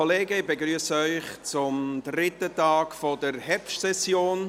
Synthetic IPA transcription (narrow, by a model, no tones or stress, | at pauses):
ɔleːɡəɪbəɡɾyəsəœʏχt͡sʊmd̪rɪtətɑːkfɔdəɾhɛɾpʃtsɛsjoːn